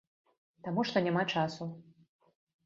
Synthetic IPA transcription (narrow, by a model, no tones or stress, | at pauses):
t̪amuʂt̪ɔnʲamat͡ʂasu